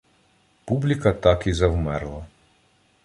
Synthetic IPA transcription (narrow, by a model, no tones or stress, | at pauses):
publʲikɐt̪ɑkizɐwmɛɾlˠɐ